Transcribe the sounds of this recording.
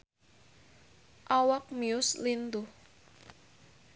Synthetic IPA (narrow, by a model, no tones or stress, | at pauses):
ʔawɔk̚miʊslind̪u